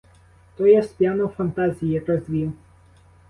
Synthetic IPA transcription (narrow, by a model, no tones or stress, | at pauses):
t̪ɔjɛspʲjanɔfɐnt̪azʲijɛkɾɔzʲʋʲiw